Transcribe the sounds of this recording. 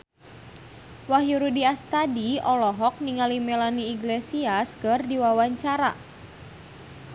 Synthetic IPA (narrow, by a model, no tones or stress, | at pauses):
wahjuɾudiast̪adiɔlɔɦɔk̚niŋalimɛlaniːɡlesiaskərdiwawaɲt͡ʃaɾa̰